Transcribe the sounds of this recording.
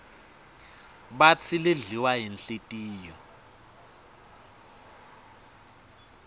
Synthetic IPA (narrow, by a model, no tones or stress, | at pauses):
ɓat͡sʰileɮiwaɦinɬetʼiːjɔ